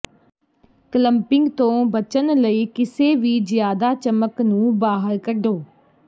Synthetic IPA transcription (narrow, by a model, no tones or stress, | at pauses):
kləmpɪ̃ŋɡt̪õːbət͡ʃənləiːkɪseːʋiːd͡ʒɪjaːd̪aːt͡ʃəməknũːbaːɦəɾkəɖoː